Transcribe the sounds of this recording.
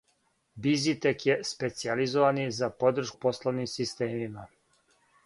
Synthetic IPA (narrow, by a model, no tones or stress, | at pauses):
bizit̪ekjespe̞t̪sializoʋanizapo̞d̪r̩ʃkuposlˠoʋnimsist̪eːmima